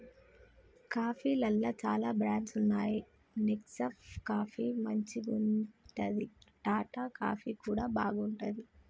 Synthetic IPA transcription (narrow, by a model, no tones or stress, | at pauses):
kaːpʰiːlɐlːɐːt͡ʃaːlaːbɾaːɳʈsunːaːji | niksɐpkaːpʰiːmɐɲt͡ʃiɡuɳʈɐd̪iʈaːʈaːka̰ːpʰiːkuːɽaːbaːɡuɳʈɐd̪i